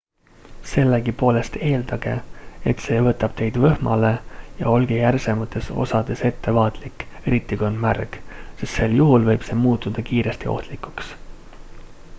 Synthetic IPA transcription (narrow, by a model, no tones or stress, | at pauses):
se̞lːeɡipo̞ːle̞st̪e̞ːld̪̥ɑɡ̥e̞̰et̪se̞ːvɤt̪ːˑɑb̥̚t̪e̞jd̪vɤhmɑ̰le̞jɑ̰o̞lɡ̥ejærse̞mɑt̪ːˑe̞so̞̰sɑd̪e̞se̞t̪ːe̞vɑːt̪ˑlikːe̞ɾit̪ːˑikonmærksest̪se̞ljuɦulvɤjb̥se̞ːmuːt̪ˑːud̪̥ɑkiːɾe̞st̪io̰ht̪likˑuks